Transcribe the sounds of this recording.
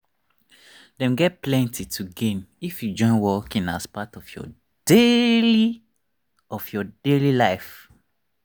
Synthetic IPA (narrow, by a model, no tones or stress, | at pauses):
dɛ̃mɡɛt̚plɛ̃ntitʰuɡẽnifjud͡ʒɔ̃ɪ̃nwɔkĩna̰spatɔfjɔ̰ | d̥eli | ɔfjɔdelilaɪf